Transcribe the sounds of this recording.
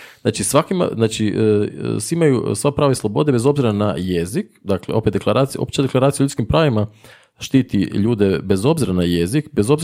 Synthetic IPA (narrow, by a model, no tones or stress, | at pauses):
z̥naːt͡ʃisʋakima̰znaːt͡ʃi | siimajusʋapɾaːʋaislˠobo̞d̪ebe̞zo̞bziɾana̰jezikd̪akleo̞̰pet̪eklˠaɾaːt̪sijopt͡ʃad̪e̞klaɾaːt̪iauʎut̪skimpɾaːʋima | ʃt̪iːt̪iʎuːd̪e̞be̞zo̞bziɾanajezikbezo̞bz